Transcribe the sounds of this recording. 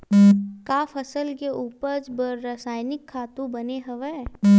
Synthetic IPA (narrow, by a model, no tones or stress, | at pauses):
kaːfʰɐsəlkeʔuːpəɾd͡ʒbəɾːasaːɪnɪkʰːaːt̪ũbɐneɦɐʋɛː